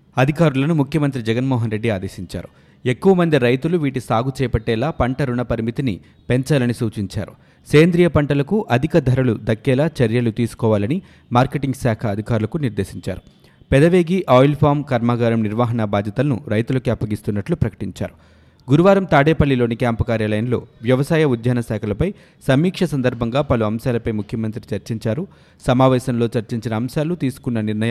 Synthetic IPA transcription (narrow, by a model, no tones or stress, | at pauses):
ɐd̪ʱikaːɾulɐnumukʰjɐmɐnt̪ɾid͡ʒɛɡɐnmɔːɦɐnɾe̞ɖːiaːd̪eːsiɲt͡ʃa̰ːɾu | ekːuʋɐmɐnd̪iɾɐjt̪uluʋiːʈisaːɡut͡ʃɛːɐpɐʈːɛːlaːpɐɳʈɐɾuɳɐpɐɾimit̪inḭ | pe̞ɲt͡ʃaːlɐnisuːt͡ʃiɲt͡ʃa̰ːɾu | seːnd̪ɾijɐpɐɳʈɐlɐkuʔɐd̪ʱikɐd̪ʱɐɾɐlud̪ɐkːɛːlaːt͡ʃɐɾjɐlut̪iːsu̥kɔːʋaːlɐni | maːɾkeʈiŋɡsaːkʰɐːd̪ʱikaːɾulɐkuniɾd̪eːʃiɲt͡ʃa̰ːɾu | pɛd̪ɐʋe̞ːɡiʔaːjlpʰaːmkɐɾmaːɡaːɾɐmniɾʋaːɦɐnabaːd͡ʒ̪jɐt̪ɐlɐnṵɾɐjt̪ulɐkiɐpːɐɡist̪unːɐʈlupɾɐkɐ̥ʈiɲt͡ʃa̰ːɾu | ɡuɾuʋaːɾɐmt̪aːɽeːpɐlːilo̞ːnikaːmpkaːɾjaːlɐjɐnlo̞̰ːʋjɐʋɐsaːjɐud̪ʱjaːnɐsɛːkʰɐlɐpɐj | sɐmiːkʂɐsɐnd̪ɐɾbʱɐŋɡaːpɐluɐmsaːlɐpɐjmukʰjɐmɐnt̪ɾit͡ʃɐɾt͡ʃiɲt͡ʃaːɾu | sɐmaːʋɛːsɐmlo̞ːt͡ʃɐɾt͡ʃiɲt͡ʃinɐːmsaːlut̪iːsu̥kunːɐniɾnɐjɐ